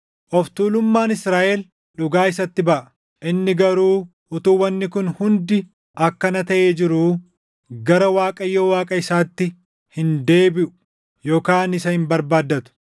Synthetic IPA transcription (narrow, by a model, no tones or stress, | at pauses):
ʔɔft̪uːlʊmːaːnɪsɾaːʔɛl | ᶑʊɡaːɪsɐt̪ːɪbɐʔɐ | ʔɪnːɪɡɐɾuː | ʊt̪uːwːɐnːɪkʊnhʊnd̪ɪ | ʔɐkːɐnɐt̪ɐʔeːd͡ʒɪɾuː | ɡɐɾɐwaːkʼɐjːoːwaːkʼɐɪsaːt̪ːɪ | hɪnd̪e̞ːbɪʔʊ̥ | jo̞ːkaːnɪsɐhɪmbɐɾbaːd̪ːɐt̪ʊ̥